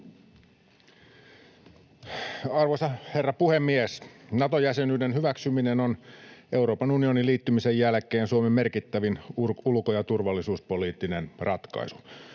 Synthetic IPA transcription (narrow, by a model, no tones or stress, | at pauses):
ɑrʋosɑhe̞rːɑpuhemːiesnɑt̪ojæsenyːdenhyʋæksyminenonʔe̞uɾo̞ːpɑnunio̞niliːt̪ːymisejjælkˑeːnsuomemmerkit̪ːæʋinurulkojɑt̪urʋɑlːisuːspo̞liːt̪ːinenrʔɑt̪kɑ̰isu̥